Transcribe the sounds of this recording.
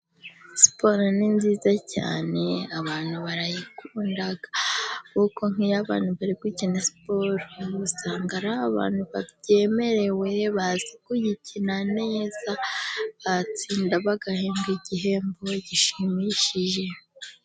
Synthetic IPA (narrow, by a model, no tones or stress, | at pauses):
si̥po̞ɾoninziːzaca̰ːne̞aβaːn̥uβaɾajikuːndaɡḁkuko̞ŋ̥ijaβa̰ːn̥huβaɾib̚ɡicinasi̥po̞ɾoɡusaːŋɡaɾaβaβa̰ːn̥huβaβje̞me̞ɾe̞we̞βazikujicʰinane̞zaβat͡siːndaβaɡaheːmɡiɟiɦe̞ːmbo̞ɟiʃimiʃiʒe̞